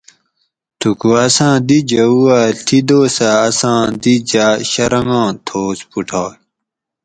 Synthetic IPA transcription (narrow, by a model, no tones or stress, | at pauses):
t̪ʰukuɐsãːd̪id͡ʑɐuat̪ʰid̪oːsaːsãːd̪id͡ʑaɕɐɾɐŋɡɑ̃ːt̪ʰoːspuʈʰaː